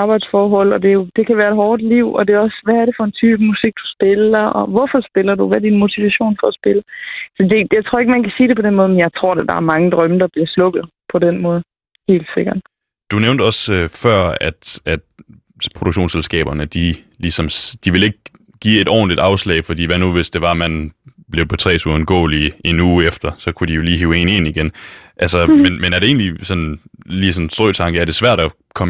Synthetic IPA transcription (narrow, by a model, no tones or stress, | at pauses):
ɑ̈ːb̥ɑ̈ɪd̥sfɒːɦɒ̽l̰ɒd̥e̝jo̝d̥e̝kʰæʋæːɐed̚ɦɒːd̥liʊ̰ɒd̥e̝ɒ̽sʋæːɐɾe̝fɒ̽e̝nt͡sʰyːb̥musiɡ̥̚d̥u̥sb̥e̝lɐɒʋɒfɒsb̥e̝lɐd̥uʋæɐd̥inmo̝t͡sʰiʋæɕo̝̰ːnfɒ̽ːsb̥eləsɒ̽d̥e̝jɑ̈ɪt͡sʰʁoɐeɡ̥mænkʰæsiːɾ̥epʰɒ̽denmɔ̽ð̩ˠmenjɑ̈ɪt͡sʰʁo̝ɐ̰ded̥ɑ̈æɐmɑ̈ŋəd̥ʁɶməd̥ɑ̈b̥liɐslɔ̽ɡ̥ð̩ˠpʰɒ̽denmɔːð̩ˠ | he̝̰ːld̥se̝ɡ̥ɐd̥ | d̥uneʊnd̥ɒ̽søfɶɐ̰æd̥æd̥ | pʰʁo̝ɾ̥uɡ̥ɕo̰ːnselsɡ̥ɛ̰ːb̥ɐnəd̥i | lisɒ̽msd̥iʋe̝le̝ɡ̥̚ | ɡ̥ḭːe̝d̥ɾɒ̰ːndid̥ɑ̈ʊslɛ̰ɪfɒ̽d̥ḭːʋænuʋe̝sd̥e̝ʋɑ̈mænb̥le̝ʊpʰɒ̽t͡sʰʁɛ̰ːsuðnɡ̥ɔ̰̽ːlie̝nuːefd̥ɐsɒ̽kʰud̥ijo̝liːɦiʊe̝̰ne̝̰niɡ̥enʔælsɐmenmenæɐɾee̝̰ːnlisɒ̽nliːsɒ̽nsd̥ʁɔːt͡sʰɑ̈ŋɡ̥əæɐd̥e̝sʋæɐ̰d̥ɒ | kʰɒ̽m